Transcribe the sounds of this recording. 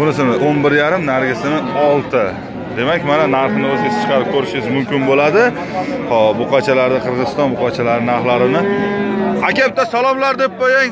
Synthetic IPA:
ʊnɪsɪmɪonbɪɾjaɾɪmnaɾɡʲɪsɪnɪɒlˠt̪ʰɪ | d̪e̞makʲmananaɾχnɪɵzɡʲat͡ʃʰḁt͡ʃʰɨ̥qʰɑɾɪp̚kʲʰɵɾɪʃɪɪzmʊmkʲɪnbolad̪ɪ | ɒboqɑt͡ʃʰalaɾd̪aqʰɨɾʁɨzɨst̪ɒnboqʰɑt͡ʃʰalaɾɪnaɾχlaɾɪnɪ | akʲep̚t̪asalˠɒmlaɾd̪ep̚qojaŋ

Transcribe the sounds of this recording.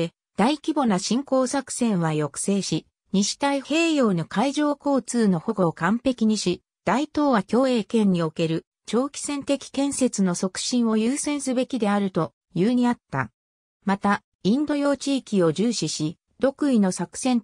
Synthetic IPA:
e | d̪̥aikʲibo̞naɕĩŋko̞ːsakɯ̟̥sẽ̞ɰ̃βajo̞kɯ̥se̞ːɕi | ɲiɕi̥t̪aihe̞ːjo̞ːnokaiʑo̞ːko̞ːt͡sɨːno̞ho̞ɡo̞ːkãmpe̞kʲiɲ̟iɕi | d̪̥ait̪o̞ːβakʲo̞ːe̞ːkẽ̞ɲ̟ːio̞ke̞ɾɯ̟ | t͡ɕo̞ːkʲi̥sẽ̞nt̪e̞kʲi̥kẽ̞ɰ̃se̞t͡sɨno̞so̞kɯ̟̥ɕĩɰ̃o̞jɯːsẽ̞ɰ̃sɨbe̞kʲid̪e̞aɾɯ̟t̪o̞ | jɯːɲ̟iat̪ːa̰ | mat̪a | ĩnd̪o̞jo̞ːt͡ɕiːkʲio̞ʑɨːɕiɕi | d̪̥o̞kɯ̟ino̞sakɯ̥sẽ̞n

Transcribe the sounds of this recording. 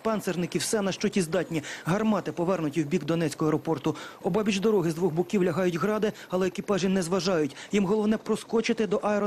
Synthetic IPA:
pɛnsernɪkʲiwsɛnɐʃt͡ʃɔtʲizd̪ɑtʲnʲiɦɐrmɑt̪ɪpɔʋɛrnʊtʲiwbʲikd̪ɔnɛt͡sʲkɔɦɔɛɾɔpɔrt̪ʊɔbɑbʲit͡ʃd̪ɔɾɔɦɪzd̪ʋɔɣbʊkʲiwlʲɐɦɑjʊtʲɦɾɑd̪ɪ | ɐlˠɛekʲipɑʒinɛzʋɐʒɑjʊtʲjimɦɔlˠɔʋnɛpɾɔskɔt͡ʃɪt̪ɪd̪ɔʔɐɛɾɔ

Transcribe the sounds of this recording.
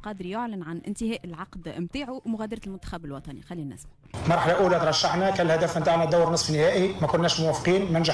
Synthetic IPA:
qɑːd̪ɾijoʕlɪnʕanʔɪ̰nt̪ɪhæːʔɪlʕɑqd̪mt̪aːʕumʊɣæːd̪ɑɾˤɑlmʊnt̪æ̥xæbɪlwɑt̪ˤɑnḭxælːinːæ̰ːsb | mɑɾˤħalaʔuːlæt̪ɾˤɑʃːaħnækænlhæd̪æːfɪnt̪aːʕnæd̪awːɾnɨsˤfinɪhæːʔimækʊnːɛːʃmʊwæfqiːnmænʒ

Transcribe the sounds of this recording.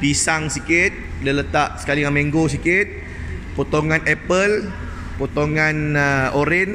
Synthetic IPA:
pisaŋsikɪt̪̚ | dələt̪aʔsə̥kalijaŋmiŋɡos̬ikɪt̪̚ | pot̪oŋanɛpəl | pot̪oŋanəoɾɪn

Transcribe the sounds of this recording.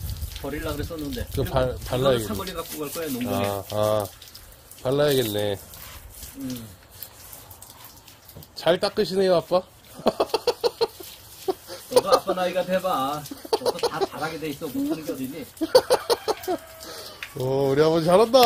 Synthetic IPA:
pʌɾiɭːaɡɯɾes͈ʌnːɯnde̞ɯpapaɭːajaɡeaɡʌʎːiɡak͈uɡʌɭk͈ʌjenomuaː | paɭːajaɡe̞nːe̞ | t͡ɕaɭt͈ak͈ɯɕ̬ʰinejoap͈a | ʌɡʌap͈ːanaiɡadwebaːʌsʌtat͡ɕaɾaɡedeis͈ʌmuɯnɯŋɡeʌdini | ʌuɾiambʌt͡ɕaɾanda

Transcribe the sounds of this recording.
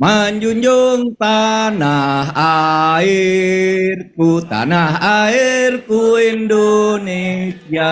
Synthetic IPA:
maɲd͡ʒuɲd͡ʒuŋt̪anaɦai | rkut̪a̰naɦairkuindonesia

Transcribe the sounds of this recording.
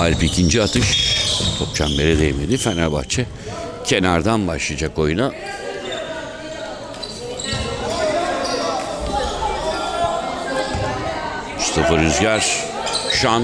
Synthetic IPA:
alʲpicʰind͡ʒiat̪ʰɯʃt̪ʰop̚t͡ʃʰambeɾɛd̪ejimed̪ifænaba̰xt͡ʃʰɛ | cʰenaɾd̪anbaʃlˠid͡ʒakojuna | st̪ʰɯfɯɾyzɟaɾ | ʃan

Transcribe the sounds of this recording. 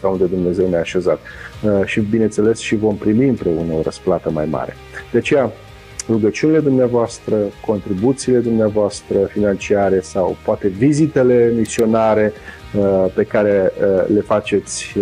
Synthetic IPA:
kaund̪ed̪umne̞ze̞wneaːʃe̞zat̪ʃibinent̪se̞le̞sʃivo̞mpɾimiɨmpɾeunəo̞ɾəsplat̪əma̰jma̰ɾe̞̰ | d̪̥eat͡ʃe̞ja | ruɡət͡ʃiunile̞d̪umneavoast̪ɾəko̞nt̪ɾibut̪siːle̞d̪umneavoast̪ɾəfinant͡ʃiaɾe̞sawpoat̪e̞vizit̪e̞le̞misio̞naɾe̞ | pe̞kaɾe̞le̞fat͡ʃe̞t̪sʲ

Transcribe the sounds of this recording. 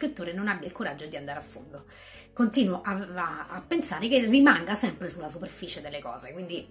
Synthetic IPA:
skɾit̪ːoːɾenonabːjailkoɾad͡ʒːod̪iand̪aɾafːo̰nd̪o | kont̪iːnoʔaaːpːensaːɾekerːimaŋɡasɛmpɾesulːasuperfiːt͡ʃed̪elːekɔ̰ːzekwind̪i

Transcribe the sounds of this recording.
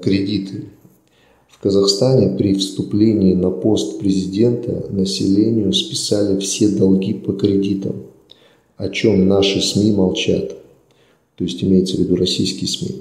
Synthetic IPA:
kɾʲɪdʲit̪ʰɨ | fkəzɐxst̪anʲɪpɾʲɪfst̪ʊplʲenʲɪːnɐpo̞st̪pɾʲɪzʲɪdʲe̞nt̪ʰə̰nəsʲɪlʲenʲɪjʊspʲɪ̥salʲɪfsʲe̞d̪ɐlˠɡʲipəkɾʲɪdʲit̪ə̰m | ɐt͡ɕo̞mnaʂɨsmʲimɐlˠt͡ɕa̰t̪ | t̪ːo̞ɪsʲtʲɪmʲejɪt̪səvʲɪd̪urɐsʲijskʲɪjəsmʲḭ

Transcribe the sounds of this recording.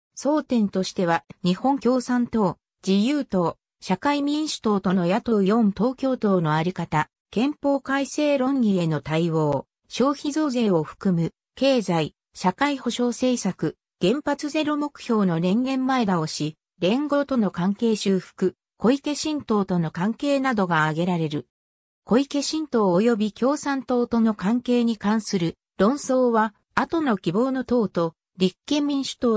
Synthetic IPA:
so̞ːt̪ẽ̞nt̪o̞ɕi̥t̪e̞βaɲ̟ihõ̞ŋkʲo̞ːsãnt̪o̞ː | d͡ʑijɯːt̪o̞ː | ɕakaimʲĩɰ̃ɕi̥t̪o̞ːt̪o̞no̞jat̪o̞jõ̞nt̪o̞ːkʲo̞ːt̪o̞ːno̞aɾʲikat̪a | kẽ̞mpo̞ːkaise̞ːɾõ̞ŋɡʲie̞no̞t̪aiβo̞ː | ɕo̞ːçizo̞ːze̞ːo̞ɸɯ̟̥kɯ̟mɯ̟ | ke̞ːzai | ɕakaiho̞ɕo̞ːse̞ːsakɯ̟ | ɡ̥ẽ̞mpat͡sɨze̞ɾo̞mo̞kɯ̟̥çʲo̞ːno̞ɾẽ̞ŋɡẽ̞mːaed̪ao̞ɕi | ɾẽ̞ŋɡo̞ːt̪o̞no̞kãŋke̞ːɕɨːɸɯ̟̥kɯ̟ | ko̞ike̞ɕĩnt̪o̞ːt̪o̞no̞kãŋke̞ːnad̪o̞ɡaːɡe̞ɾaɾe̞ɾɯ̟ | ko̞ike̞ɕĩnt̪o̞ːjo̞bʲikʲo̞ːsãnt̪o̞ːt̪o̞no̞kãŋke̞ːɲ̟ikãɰ̃sɨɾɯ̟ | ɾõ̞ɰ̃so̞ːβa | at̪o̞no̞kʲibo̞ːno̞t̪o̞ːt̪o̞ | ɾʲikːẽ̞mːʲĩɰ̃ɕɨ̥t̪oː

